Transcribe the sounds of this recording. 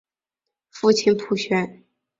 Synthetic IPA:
fu˥˩t͡ɕʰi˧npʰu˥ɕɥɛ˧˥n

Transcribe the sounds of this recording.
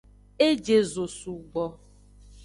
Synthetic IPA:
e˦d͡ʒe˨zo˨su˨ɡ͡bɔ˨

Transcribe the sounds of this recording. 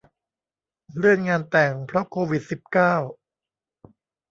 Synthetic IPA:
ɾɯ˥˩ənŋaː˧nt̪ɛ˨˩ŋpʰɾɔ˦˥kʰoː˧wi˨˩t̪̚si˨˩p̚kaː˥˩w

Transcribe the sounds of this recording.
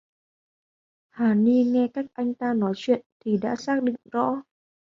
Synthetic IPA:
haː˨˩ni˧ŋɛ˧kaː˦˥k̚ʔa˧jŋ̟t̪aː˧nɔ˨˦jt͡ɕwḭ˧˨ənt̪ʰi˨˩ɗa̰ː˧˥saː˦˥k̚ɗḭ˧˨ŋ̟zɔ̰˧˥

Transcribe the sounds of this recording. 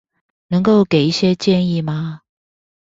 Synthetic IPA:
nɤ˧˥ŋko˥˩ʊke˨˩ɪi˥˩ɕjɛ˥t͡ɕjɛ˥˧ni˥˩ma˨

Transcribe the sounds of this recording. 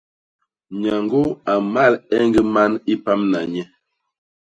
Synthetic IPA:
ɲa˨ŋɡo˦a˨ma˦˨lɛ˦ŋɡə˦ma˦ni˦pa˦mna˨ɲɛ˦

